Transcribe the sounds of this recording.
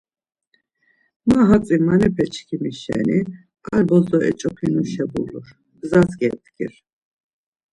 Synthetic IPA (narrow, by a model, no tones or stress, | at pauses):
maɦat͡sʼimanɛpʰɛt͡ʃʰʼkʰimiʃɛ̰ni | aɾbɔzɔɛ̰t͡ʃʼɔpʰinuʃɛbṵluɾ | ɡzazɡɛt̪ɡḭɾ